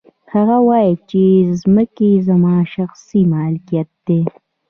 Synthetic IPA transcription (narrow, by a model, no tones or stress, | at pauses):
haɣawɑjit͡ʃezməkezamɑːʃaxsimɑlkijat̪̚d̪̥e